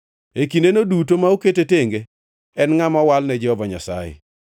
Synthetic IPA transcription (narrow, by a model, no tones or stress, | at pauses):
ekindenodut̬omaoketeteŋɡe | ɛnŋamɔwalnɛd͡ʒɛhɔvaɲa̰sa̰jḛ